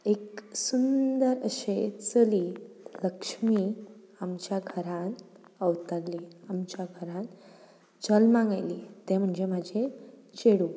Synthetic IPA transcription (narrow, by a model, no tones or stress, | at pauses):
eksund̪əɾəɕet͡səliːləkʂmi | amt͡ɕjaɡʱəɾãn | əʋt̪alːiamt͡ɕjaɡʱəɾãn | t͡səlmãŋɡajlit̪ẽm̤əɳd͡ʑemad͡ʑʱe | t͡ɕeɽu